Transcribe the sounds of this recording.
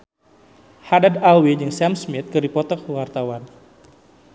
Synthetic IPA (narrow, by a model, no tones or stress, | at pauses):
hadadalwid͡ʒɨŋsamsmit̪̚kɨrdipɔt̪ɔkəwart̪awan